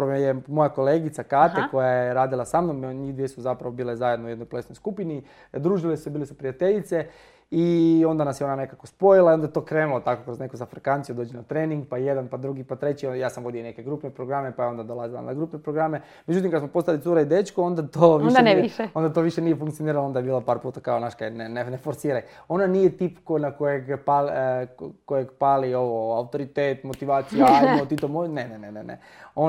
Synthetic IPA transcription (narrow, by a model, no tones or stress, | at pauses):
ojemo̞jako̞leɡit̪sakaːt̪eko̞jajjeeɾaːd̪ilˠasamnomɲihd̪ʋiesuzapɾaʋo̞biːlezajed̪noujed̪nojpolesnojskupini | d̪ɾuːʒilesu̥sebilesupɾijat̪e̞ʎit̪se̞ | io̞nd̪anasjeo̞nane̞kakospo̞jilˠaiond̪et̪o̞ːkɾeːnulot̪ako̞kɾozne̞kozafɾekant̪ijud̪o̞ːd͡ʑenat̪ɾeːniŋɡpaje̞d̪anpad̪ɾuɡipat̪ɾe̞t͡ɕiojaːsamʋo̞d̪ione̞ke̞ɡɾupnepɾoɡɾamepajeo̞nd̪ad̪o̞lazila̰naɡɾupnepɾoɡɾame̞ | med͡ʑut̪imkad̪smo̞po̞st̪alit̪suɾaid̪et͡ʃkoo̞nd̪at̪oːʋiʃneiʃeo̞nd̪at̪oʋiʃenijefuŋkt̪ijoniːɾalood̪ajebiːlapaːɾpuːt̪akaonaʃkaenenenefoɾsiːɾaj | o̞nanijet̪iːpkonakojeɡpal | kojeɡpalio̞ʋoaut̪o̞ɾit̪eːt̪mo̞t̪iʋaːt̪sijaiot̪it̪omonenenenḛnḛ | o